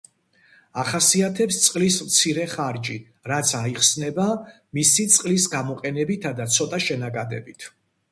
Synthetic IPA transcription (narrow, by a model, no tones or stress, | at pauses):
aχasiat̪ʰɛpst̪sʼqʼlismt̪sʰiɾɛχaɾd͡ʒi | ɾat̪sʰaiχsnɛba | misit̪sʼqʼlisɡamɔqʼɛnɛbit̪ʰad̪at̪sʰɔt̪ʼaʃɛnakʼad̪ɛ̰bit̪ʰ